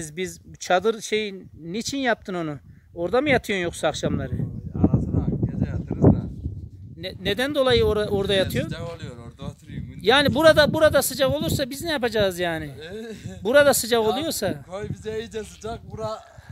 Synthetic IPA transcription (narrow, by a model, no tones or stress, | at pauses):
zbizut͡ʃʰad̪ɯɾʃe̞jinit͡ʃʰinjap̚t̪ʰɯno̞nu | o̞ɾd̪amɯjat̪ʰɯjonjo̞ksaːkʃamlˠaɾɯsed͡ʒɛjat̪ʰɯɾz | nɛned̪ænd̪o̞lˠajɯoɾao̞ɾd̪ajat̪ʰɯjo̞n | jaːnibuɾad̪abuɾad̪asɯd͡ʒaɣo̞lˠuɾsabiznɛjapad͡ʒaːzjaːnɪbuɾad̪asɯd͡ʒaɣo̞lˠujo̞ɾsaojbizɛejid͡ʒɛsɯd͡ʒak̚buɾa